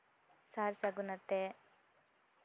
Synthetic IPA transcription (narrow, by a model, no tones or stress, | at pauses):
saːɾsaɡunɐt̪ːe